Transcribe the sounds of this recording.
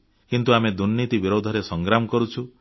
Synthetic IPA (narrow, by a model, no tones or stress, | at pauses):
kint̪uamed̪unːit̪ibiɾod̪ʱɔɾesɔŋɡɾamɔkɔɾut͡ʃʰu